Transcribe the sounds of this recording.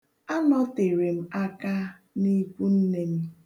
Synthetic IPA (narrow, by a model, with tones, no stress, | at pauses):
a˦nɔ˦te˨ɾe˨m̩˦a˦ka˦ | ni˦kʷu˦n̩˦ne˦m̩˦